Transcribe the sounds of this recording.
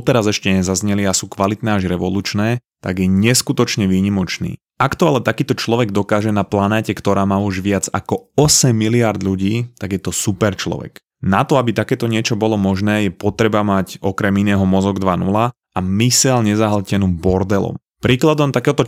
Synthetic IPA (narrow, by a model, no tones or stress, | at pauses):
ɔt̪ɛɾazɛʃcɛɲɛzazɲɛliasuːkʋalit̪nɛːaʒɾɛʋɔluːt͡ʃnɛːt̪aɡjɛɲɛskut̪ɔt͡ʃɲɛʋiːɲimɔt͡ʃnḭː | akt̪ɔalɛt̪akiːt̪ɔt͡ʃlɔʋɛɡ̚d̪ɔkaːʒɛnaplanɛːcɛkt̪ɔɾaːmaːuʒʋɪad͡za̰kɔɔsɛmːiliaɾd̪ʎuɟiːt̪aɡjɛt̪ɔsupɛɾt͡ʃlɔ̰ʋɛ̰k | nat̪ɔabit̪akɛːt̪ɔɲɪɛt͡ʃɔbɔlɔmɔʒnɛːjɛpɔt̪ɾɛbamacɔkɾɛminɛːɦɔmɔzɔɡd̪ʋanula | amisɛlɲɛzaɦl̩cɛnuːbɔɾd̪ɛlɔ̰m | pɾiːklad̪ɔmt̪akɛːɦɔt̪ɔ